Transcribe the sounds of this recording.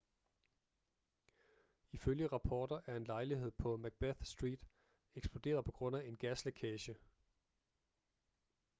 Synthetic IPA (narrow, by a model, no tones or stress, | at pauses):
iføljəʁɑ̈pʰɒːd̥ɐʔæɐe̝nlɑ̈ɪliɦe̝ð̞̰ˠpʰɒ̽mæɡ̥̚b̥æθsd̥ʁḭːd̥ | eɡ̥sb̥lo̝d̥e̝̰ːɐðˠpʰɒ̽ɡ̥ʁɔ̽n̰æe̝nɡ̥æslækʰɛɕə